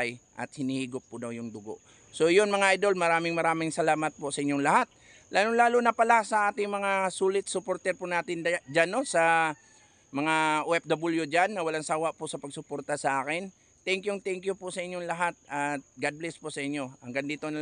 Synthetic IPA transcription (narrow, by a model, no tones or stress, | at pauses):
jʔɐ̰t̪̚hɪnihiːɡʊpːʊd̪awjʊŋd̪ʊɡo̰ʔ | so̞jonmɐŋaʔajd̪o̞lmɐɾaːmɪŋmɐɾaːmɪŋsɐlaːmɐt̪̚pʊsɐʔɪɲːoŋlɐhat̪̚ | laːlʊŋlaːlonɐpɐlasɐʔaːt̪ɪŋmɐŋasuːlɪt̪̚sʊpoɾt̪ɛɾpʊnaːt̪ɪnd͡ʒanosɐ | mɐŋaʔuʔɛp̚d̪ɐbɪljʊd͡ʒanːɐwɐlaŋsaːwaʔpʊʔsɐpɐɡsʊpoːɾt̪ɐsɐʔaːkɪn | t̪ɛŋkjʊŋt̪ɛŋkjʊpʊsɐʔɪɲːoŋlɐɦat̪̚ɐt̪̚ɡad̪̚blɛspʊʔsɐʔɪɲːo̞ʔɐŋɡɐnd̪iːt̪onɐ